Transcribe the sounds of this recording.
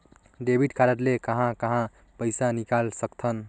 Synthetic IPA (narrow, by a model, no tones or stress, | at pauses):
ɖebʱiʈkʰaɾəʈ̪lekəɦãkəɦã | pəjsanikalsəkt̪ʰən